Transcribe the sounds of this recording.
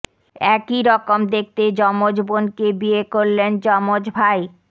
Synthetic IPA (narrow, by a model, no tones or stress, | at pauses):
ɛkiɾɔkomd̪ek̚ʰt̪ed͡ʑɔmod͡ʑbonkebiekoɾlend͡ʑɔmod͡ʑbʱaj